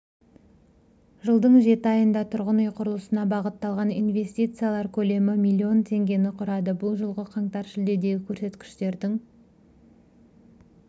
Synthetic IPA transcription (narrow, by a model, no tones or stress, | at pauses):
ʒəlˠd̪əɴʒe̞t̪ɪɑjənd̪ɑt̪ʰʊɾʁənujqʰʊɾəlˠəsənɑbɑʁət̪ːɑlˠʁɑnḭnve̞st̪it̪sɨjalˠɑɾkʲʰɵle̞mɪmilʲːio̞nt̪ʰe̞ŋɡʲe̞nɪqʰʊɾɑd̪əbʊlˠʒəlˠʁəqʰɑɴt̪ɑɾʃɪld̪e̞d̪e̞ɡʲɪkʲʰɵɾse̞t̪kʲɪ̥ʃt̪e̞ɾd̪ɪŋ